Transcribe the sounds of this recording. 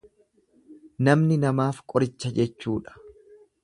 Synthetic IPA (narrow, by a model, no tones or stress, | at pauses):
nɐmnɪnɐmaːfkʼɔɾɪt͡ʃːɐd͡ʒɛt͡ʃːuːᶑɐ̥